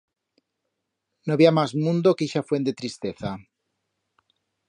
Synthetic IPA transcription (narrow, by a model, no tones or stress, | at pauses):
noβiamazmũnd̪okiʃafwe̞nd̪et̪ɾist̪eθa